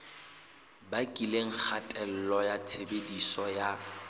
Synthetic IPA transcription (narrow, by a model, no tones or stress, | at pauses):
bakʼileŋ̩k͡xʰatʼɛl̩lɔjatʰebedisɔja